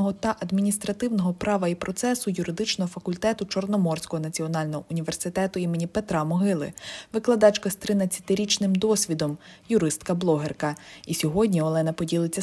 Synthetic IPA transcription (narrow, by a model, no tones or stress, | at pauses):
ɦɔt̪ɐʔɐd̪mʲinʲist̪ɾɐt̪ɪwnɔɦɔpɾɑʋɐipɾɔt̪sɛsʊjʊɾɪd̪ɪt͡ʃnɔɦɔfɐkʊlʲt̪ɛt̪ʊt͡ʃɔrnɔmɔrsʲkɔɦɔnɐt͡sʲiɔn̪ɑlʲnɔɦɔʔʊnʲiʋe̞rsɪt̪ɛt̪ʊimenʲipet̪ɾɑmɔɦɪlˠɪ̰ʋɪklˠɐd̪ɑt͡ʃkɐst̪ɾɪnɐt͡sʲːɐ̥t̪ɪɾʲit͡ʃnɪmd̪ɔsʲʋʲid̪ɔmjʊɾɪst̪kɐblˠɔɦerkɐisʲɔɦɔdʲnʲiɔlˠɛnɐpɔdʲilˠɪt͡sʲːɐ